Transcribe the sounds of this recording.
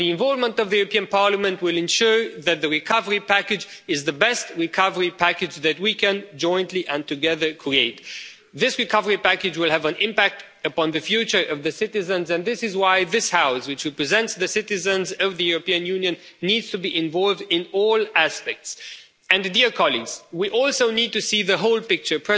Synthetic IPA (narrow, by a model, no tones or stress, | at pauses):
ðiɨ̃ɱvɔlˠvmə̃ntʌvðɨjʉɹəpĩɨ̃npɑɹləmɨ̃ntwɪlˠɨ̃nʃʊɹðɨt̪̚ðɨɹɨkʰʌvə˞ipækɨd͡ʒɨzðɨbɛst̚ɹɨkʰʌvə˞ipʰækɨd͡ʒðɨt̚wikʰɨ̃nd͡ʒɔ̃ɪ̃ntliʔə̃ntʰɨɡɛðə˞kʰɹ̥ieɪt̪ | ðɪsɹɨkʰʌvə˞ipækɨd͡ʒwɪlˠɨvə̃nɪ̃mpæk̚t | ɨpɑ̃nðɨfjʉt͡ʃə˞ʔʌvðɨsɪɾɨzɨ̃nzɨ̃nðɪsɨzwaɪðɪshaʊswɨt͡ʃɹɛpɹɨzɛ̃ntsðɨsɪɾɨzɨ̃nzʌvðɨjuɹɨpĩɨ̃njʉ̃njɨ̃nːidz̥tʰɨbiʔɪ̃ɱvɔlˠvdɪ̃nɔlˠæspɛk̚ts | ɨ̃ndiɹkʰɑlˠiɡz̥wiʔɔlˠsoʊnid̚tɨsiðɨɦoʊlˠpɪk̚t͡ʃə˞pʰɹ̥ɛ